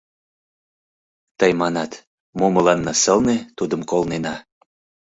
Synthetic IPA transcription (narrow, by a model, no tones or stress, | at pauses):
t̪əjmɑnɑt̪ | moməlɑnːɑsəlnet̪ud̪əmkolnenɑ